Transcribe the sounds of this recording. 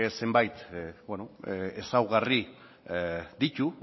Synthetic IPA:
ese̞mbajt̪benoesawɣari | d̪it̪u

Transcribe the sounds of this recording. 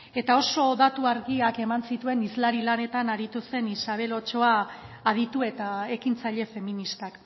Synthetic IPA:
e̞t̪ao̞so̞ðat̪uaɾɣiake̞mansit̪ue̞nizlaɾilane̞t̪anaɾit̪use̞nisaβ̞e̞lo̞t͡ʃo̞aːð̞it̪ue̞t̪ae̞kint͡saʎe̞fe̞minist̪ak

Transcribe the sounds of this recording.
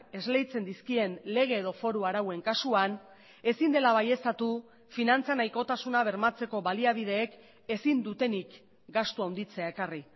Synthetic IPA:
e̞zle̞jt͡se̞nd̪iskie̞nle̞ɣ̞e̞ːð̞o̞fo̞ɾuaɾawe̞ŋkasuan | e̞sind̪e̞laβaje̞st̪at̪u | finant͡sanajko̞t̪asunaβ̞e̞ɾmat͡se̞ko̞βaliaβ̞ið̞e̞ːk | e̞sind̪ut̪e̞nik | ɡast̪uawnd̪it͡se̞ae̞kari

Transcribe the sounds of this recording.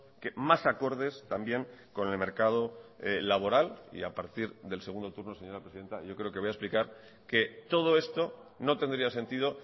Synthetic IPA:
kemasako̞ɾð̞e̞st̪ambje̞ŋko̞nelme̞ɾkað̞o̞elaβ̞o̞ɾalḭapaɾt̪iɾðe̞lse̞ɣund̪o̞t̪uɾno̞se̞ɲo̞ɾapɾeiðe̞nt̪a̰ʝo̞kɾe̞o̞keojesplikaɾ | ke̞t̪o̞ð̞o̞e̞st̪o̞no̞t̪e̞nd̪ɾiase̞nt̪iðo̞

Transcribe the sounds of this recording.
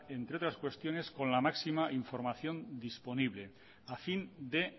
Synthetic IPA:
e̞nt̪ɾeo̞t̪ɾaskwe̞st̪jo̞ne̞sko̞nlamaksimaʔiɱfo̞ɾmaθjo̞nd̪ispo̞niβle̞ | afind̪e̞

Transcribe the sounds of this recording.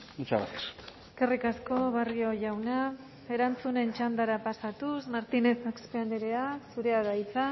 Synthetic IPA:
ut͡ʃaβa̰tseske̞rikasko̞βario̞ʝawna | e̞ɾant͡sune̞nt͡ʃand̪aɾapasat̪usmaɾt̪ine̞θakspeand̪iɾeasuɾe̞aðajt͡sa

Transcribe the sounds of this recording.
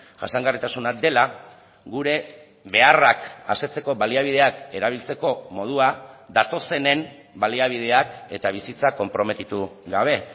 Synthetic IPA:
ʝa̰saŋɡarit̪asunad̪e̞la | ɡuɾe̞ | βe̞araka̰se̞t͡se̞ko̞βaliaβ̞ið̞e̞ake̞ɾaβ̞ilt͡se̞ko̞mo̞ð̞uad̪at̪o̞se̞ne̞m | baliaβ̞iðe̞ake̞t̪aβ̞isit͡sako̞mpɾo̞me̞t̪it̪uɣaβ̞e̞

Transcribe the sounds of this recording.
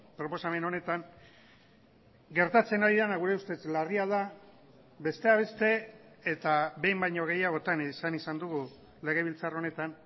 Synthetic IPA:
pɾo̞po̞same̞no̞ne̞t̪aŋ | ɡe̞ɾt̪at͡se̞naɾiðanaɣ̞uɾe̞ust̪e̞t͡slariaða | βe̞st̪e̞aβ̞e̞st̪e̞ | et̪aβe̞jmbajɲo̞ɣ̞e̞jaɣ̞o̞t̪ansanisand̪uɣu | le̞ɣ̞e̞β̞ilt͡saro̞ne̞t̪an

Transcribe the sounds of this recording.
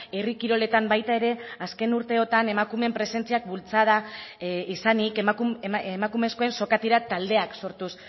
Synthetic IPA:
erikiɾo̞le̞t̪ambajt̪ae̞ɾe̞aske̞nuɾt̪e̞o̞t̪ane̞makume̞mpɾe̞se̞nt͡siak̚bult͡sað̞a | isanikumakume̞sko̞e̞nso̞kat̪iɾat̪ald̪e̞akso̞ɾt̪us

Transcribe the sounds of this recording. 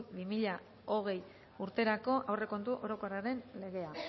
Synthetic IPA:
bimiʎa | o̞ɣ̞e̞j | uɾt̪e̞ɾako̞ʔawre̞ko̞nt̪uʔo̞ɾo̞koraɾe̞nle̞ɣe̞a

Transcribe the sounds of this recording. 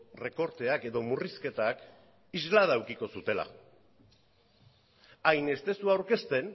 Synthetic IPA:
re̞ko̞ɾt̪e̞ake̞ðo̞muriske̞t̪ak | izlaðawkiko̞sut̪e̞la̰ | ajne̞st̪e̞suawɾke̞st̪e̞n

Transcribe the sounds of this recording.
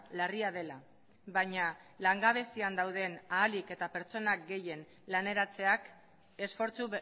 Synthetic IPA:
lariað̞e̞la | βaɲa | laŋɡaβ̞e̞st̪iand̪awð̞e̞naːlike̞t̪ape̞ɾt͡so̞nak̚ɡe̞je̞n | lane̞ɾat͡se̞ak | e̞sfo̞ɾt͡su

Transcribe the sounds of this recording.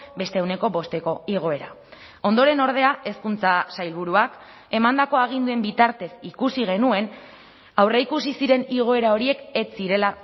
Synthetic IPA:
be̞st̪eːwne̞ko̞βo̞st̪e̞ko̞iɣ̞o̞e̞ɾa | o̞nd̪o̞ɾe̞no̞ɾð̞e̞ae̞skunt͡sasajlβuɾuak | e̞mand̪ako̞aɣ̞ind̪ue̞mbit̪aɾt̪e̞sikusiɣ̞e̞nue̞n | awreikusisiɾe̞niɣ̞o̞e̞ɾao̞ɾie̞ke̞t͡siɾe̞la

